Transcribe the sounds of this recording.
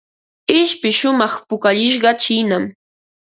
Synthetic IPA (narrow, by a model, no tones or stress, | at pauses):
ɪʃpɪʃʊmɑχpʊkaʎɪʃ̬ɢɑt͡ʃiːnam